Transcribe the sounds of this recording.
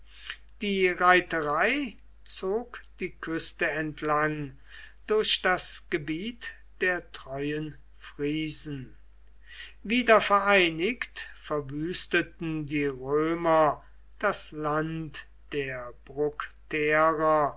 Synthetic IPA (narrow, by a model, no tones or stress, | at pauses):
d̥iːʁaɪtəʁaɪ | t͡soːkd̥iːkʰʏstəɛntʰlaŋ | d̥ʊɐɕd̥asɡ̥əbiːt | d̥eːɐtʁ̥ɔʏən | fʁiːzn̩ | viːdɐfɛɐaɪnɪktfɛɐvyːstətn̩diːʁøːmɐ | d̥aslant | d̥eːɐb̥ʁʊktʰeːʁɐ